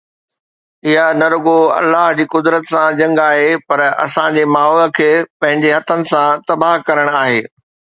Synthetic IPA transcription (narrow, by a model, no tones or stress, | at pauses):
ɪɦanɐɾʊɡoɐ̰lːaːɦd͡ʑiːkʊd̪ɾət̪sãd͡ʑɐ̃ŋɡaːɦepɐɾɐ̰sãd͡ʑemaːɦɔːlə̆kʰeːpɐ̃ɦɪ̃ɲd͡ʑeɦɐt̪ʰənɪ̆sãt̪ɐbaːɦkɐɾəɽ̃aːɦeː